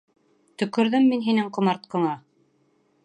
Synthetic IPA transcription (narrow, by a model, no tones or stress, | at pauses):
t̪ɵ̆kɵ̆ɾðɘmːinɦinɘŋqŏmɑɾt̪̚qɤ̆ɴɑ